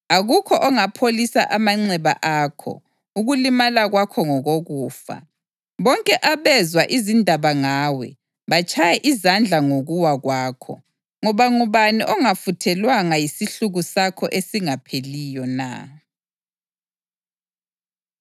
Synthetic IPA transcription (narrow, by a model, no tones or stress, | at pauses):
aɣukʰɔʔɔŋapʰolisa̰ʔamaŋ͡ǀɛβa̰ʔaːkʰɔ̰ | uɣulimalaɣwakʰɔŋɔɣoɣuːfa̰ | βɔŋkʼɛʔaβɛzwaʔizindʱaβaŋaːwɛ | βat͡ʃʰajɛʔizand͡ɮʱaŋoɣuwaɣwaːkʰɔ̰ | ŋɔβaŋuβaniʔɔŋafutʰɛlwaŋajisiɬuɣusakʰɔʔesiŋapʰelijɔna̰